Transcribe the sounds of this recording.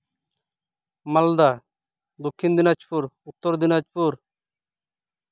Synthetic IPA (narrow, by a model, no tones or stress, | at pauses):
mɐld̪a | d̪okʰːind̪inat͡ʃpuɾut̪ːoɾd̪inat͡ʃpuɾ